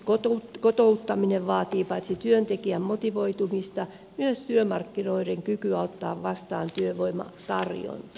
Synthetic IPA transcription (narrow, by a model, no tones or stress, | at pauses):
kot̪ot̪kot̪out̪ːɑmineʋʋɑːt̪iːpɑit̪sit̪yønt̪ekiæmmot̪iʋoit̪umist̪ɑ | myøst̪yømɑrkːinoiɾeŋkykyɑot̪ːɑ̰ːʋʋɑst̪ɑːnt̪yøʋoimɑ̰t̪ɑrjo̰n